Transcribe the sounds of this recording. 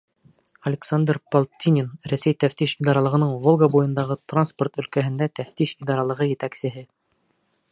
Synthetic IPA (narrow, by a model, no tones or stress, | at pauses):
ɐlʲɪksand̪rpolˠt̪ʲinʲɪnɾæsæjt̪æft̪iʃid̪ɑɾɑlˠɤ̆ʁɤ̆nɤɴvolˠɡɑbujɤ̆nd̪ɑʁɤt̪ransport̪ɵ̆lkæɦɘ̆nd̪æt̪æft̪iʃid̪ɑɾɑlˠɤ̆ʁɤjɘ̆t̪æksɘ̆ɦɘ